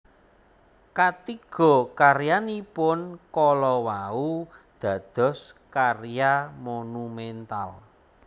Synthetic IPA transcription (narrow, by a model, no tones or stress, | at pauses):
kat̪iɡ̥ɔ̤kaɾjanipʊnkɔlɔwaud̪̥a̤d̪̥ɔ̤skarjamonumɛnt̪al